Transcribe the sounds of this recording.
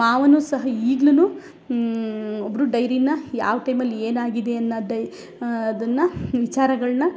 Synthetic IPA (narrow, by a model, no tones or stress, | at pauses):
aːʋɐnuːsɐɦɐiːɡlɐnu | obɾuɖɐjɾinːɐja̰ːʋɐʈɐjmɐlːieːnaːɡid̪eɐnːɐd̪ɐː | d̪ɐnːɐʋit͡ʃaːɾɐɡɐɭɐnɐ